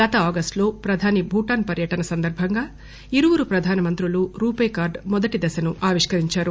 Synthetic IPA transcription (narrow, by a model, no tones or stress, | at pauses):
ɡɐt̪ɐaːɡɐsʈlo̞ːpɾɐd̪ʱaːnibʱuːʈaːnpɐɾjɐʈɐnɐsɐnd̪ɐɾbʱɐŋɡaː | iɾuʋuɾupɾɐd̪ʱaːnɐmɐnt̪ɾuluɾuːpeːkaːɾɖmɔd̪ɐʈid̪ɐsɐnuʔaːʋiʂkɐɾiɲt͡ʃaːɾu